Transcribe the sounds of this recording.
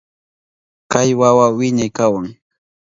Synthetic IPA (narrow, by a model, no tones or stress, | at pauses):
kajwawawɪɲajkawaŋ